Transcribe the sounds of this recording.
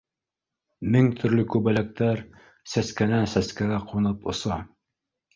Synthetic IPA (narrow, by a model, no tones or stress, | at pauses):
mɘŋt̪ʰɵ̆ɾlɵkʉbælæk̚t̪æɾ | sæskænæsæskæɡæqʰunɤpŏsɑ